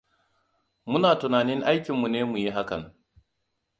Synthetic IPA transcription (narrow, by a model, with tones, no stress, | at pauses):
mʊ˦naː˨tʊ˨naː˨nɪ˦ŋʔa˦jkʲɪ˨mːu˨neː˦mu˨ji˦ɦa˦kɐ̰˨n